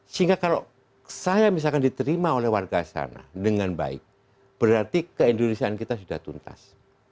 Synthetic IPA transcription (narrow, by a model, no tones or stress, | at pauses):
səiŋɡakalo | sajamis̬alkandit̪əɾimaolɛhwarɡasa̰na̰dəŋanba̰ɪ̰k̚ | b̥əɾart̪ikəindonisiaankit̪asudaht̪unt̪a̰s